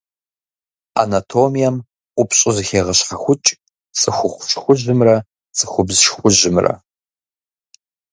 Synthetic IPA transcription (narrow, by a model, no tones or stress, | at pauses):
a̰natʰoːmijɐm | ʔʷʊpʰɕʼɪzɨxeːʁɐɕχɐxʷʊt͡ʃʼ | sʼɨxʷʊxʷʊfɕxʷʊʑɨmrɐ | sʼɨxʷʊbzʃxʷʊʒɪmrɐ̰